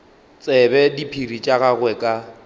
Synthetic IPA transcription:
t͡sʼɛbɛdipʰirit͡ʃʼaɣaɣwɛkʼa

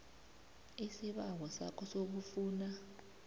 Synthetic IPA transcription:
isiɓawɔsa̰kʰɔsok̬ufuːna

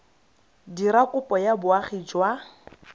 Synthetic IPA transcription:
diɾakʼʊpʼɔjabʊaχid͡ʒwa

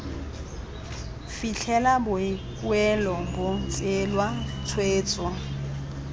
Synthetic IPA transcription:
fiɬʰɛlabʊɪkʼwɛlɔbʊt͡sʼɪlwat͡sʰweːt͡sʼwa

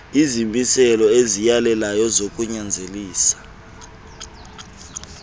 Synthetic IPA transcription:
izimisɛlɔezijalɛlajɔzokʼuɲand͡zʱeliːsḁ

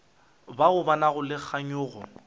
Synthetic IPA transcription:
baʊbanaɣʊlɪk͡xʰaɲʊːɣɔ̰

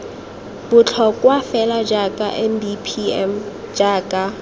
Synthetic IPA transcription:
b̥ʊt͡ɬʰɔkʼwafɛlad͡ʒakʼaʔɛnbipʰiɛ̰m | d͡ʒaːkʼa

